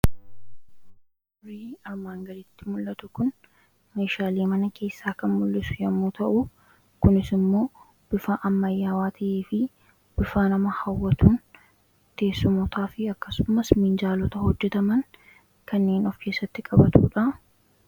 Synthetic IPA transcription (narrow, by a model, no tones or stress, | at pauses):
ʊɾiːɐɾmaːŋɡɐɾɪt̪ːɪmʊlːɐt̪ʊkʊn | me̞ːʃaːleːmɐnɐkʰe̞ːsːaːkɐnmʊlːɪsʊ̥jɐmːuːt̪ɐʔʊ | kʊnɪsɪmːo̞ː | b̥ɪfaʔɐmːɐjːaːwaːt̪ʰɐʔeːfɪ | b̥ɪfaːnɐmɐhɐwːɐt̪uːn | t̪e̞ːsːʊmɔt̪ʰaːfɪɐkːɐsʊmɐsmɪnd͡ʒaːlɔt̪ɐhɔd͡ʒːɛt̪ɐmɐŋ | kɐnːe̞ːnɔfkʰe̞ːsːɐt̪ːɪkʼɐbɐt̪ṵːᶑɐ